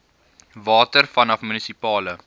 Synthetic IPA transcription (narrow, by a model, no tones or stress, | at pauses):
vɑːtərfɐnɐfmynisipɑːlə